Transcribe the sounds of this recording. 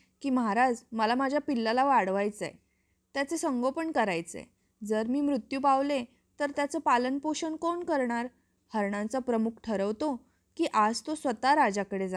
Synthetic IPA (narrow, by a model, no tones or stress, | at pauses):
kiːməɦaɾad͡zməlamad͡ʑʱjapilːalaʋaɽʋajt͡sje | t̪jat͡sesəŋɡopəɳkəɾajt͡sḛ | d͡zəɾmiːmɾut̪jupaʋle | t̪əɾt̪jat͡səpalənpoɕənkoɳkəɾɳaɾ | həɾɳãt͡sapɾəmukʰʈʰəɾəʋt̪o | kiːʔad͡zt̪osʋət̪aɾad͡zakəɽed͡za